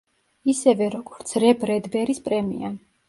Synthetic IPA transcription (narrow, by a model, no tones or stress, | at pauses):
isɛvɛɾɔɡ̥ɔɾt̪sʰɾɛbɾɛd̪bɛɾispʼɾɛmḭan